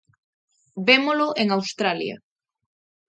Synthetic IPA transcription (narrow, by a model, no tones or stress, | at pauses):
bemolʊʔeŋawst̪ɾaljɐ̰